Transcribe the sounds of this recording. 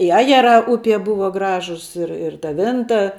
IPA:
ɪ ˈɑːjɛˌrɑː ˈʊpʲiɛ ˈbʊʋɐ ˈɡrɑːʒʊs ˈɪr ɪr tɐ ˈʋʲɪntɐ

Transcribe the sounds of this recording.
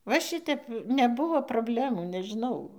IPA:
ʋɐ ˈʃʲɪtʲɛp nʲɛˈbʊʋoː proːbʲˈlʲæːmuː nʲɛʒʲɪˈnɐʊ

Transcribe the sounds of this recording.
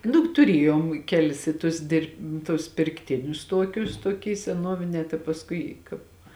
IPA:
ˈnʊ tʊˈrʲeːjoːm ˈkʲæːlʲɪs ɪ tʊs ˈdʲɪrp tʊs pʲɪrkˈtʲɪnʲʊs ˈtuɔkʲʊs tuɔˈkʲiː sʲɛˈnuɔʋʲɪnʲɛː tɐɪ pɐsˈkʊɪ kɑːp

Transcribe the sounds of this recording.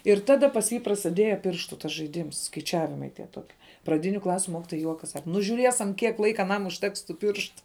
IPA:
ɪr ˈtɑːdɐ pɐs ˈjiː prɐsʲɪˈdʲiɛjɛ ˈpʲɪrʃtuː tɐs ʒɐɪˈdʲiːms skɐɪˈt͡ʃʲæːʋʲɪmɐɪ tʲiɛ ˈtoːkʲiɛ prɐˈdʲɪnʲʊ ˈklˠɑːsʲʊ ˈmoːkʲɪtoːjɛ ˈjuɔkɐs ˈsɑːkɐ nʊ ʒʊˈrʲiɛsɐm ˈkʲiɛk ˈlˠɐɪkɐ ɐˈnɐm ʊʃʲˈtʲɛks tuː ˈpʲɪrʃtʊ

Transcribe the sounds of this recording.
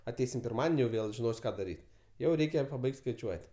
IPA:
ɐˈtʲɛɪsʲɪm pʲɪrˈmɑːdʲɛnʲɪ jɛʊ ˈʋʲeːlˠ ʒʲɪˈnoːsʲ ˈkɑː dɐˈrʲiːtʲ ˈjɛʊ ˈrʲɛɪkʲɛ pɐˈbɐɪktʲ skɐɪˈt͡ʃʲuɔtʲ

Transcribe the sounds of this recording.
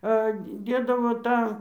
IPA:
ˈɐ ˈdʲeːdɐʋoː ˈtɑː

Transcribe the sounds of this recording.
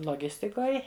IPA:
lˠoːˈɡʲɪsʲtʲɪkoːj

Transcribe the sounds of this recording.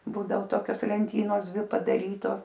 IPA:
ˈbuːdɐoː ˈtoːkʲoːs lʲɛnʲˈtʲiːnoːs ˈdʲʋʲɪ pɐdɐˈrʲiːtoːs

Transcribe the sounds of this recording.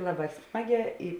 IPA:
ˈlˠɑːˌbɑː ˈsmɑːˌɡʲɛː ɪ

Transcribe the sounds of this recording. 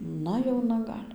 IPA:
ˈnɐ jɛʊˈnɐ ˈɡɐlʲ

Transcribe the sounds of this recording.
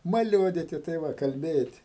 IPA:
mɐˈlʲuɔdʲiːtʲɪ tɐɪ ˈʋɐ kɐlʲˈbʲeːtʲɪ

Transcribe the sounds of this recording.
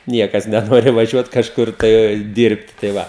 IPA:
ˈnʲiɛkɐs nʲɛˈnoːrʲɪ ʋɐˈʒʲuɔt kɐʃˈkʊr tɐɪ ˈdʲɪrpt tɐɪ ˈʋɐ

